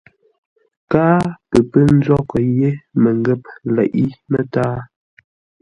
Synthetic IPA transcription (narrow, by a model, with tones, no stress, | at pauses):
kaː˦pə˨pə˦n̩˦zwɔ˦kə˨je˦mə˨ŋ˦ɡə˦˨p̚lɛ̰˨ʔi˦mə˦taː˦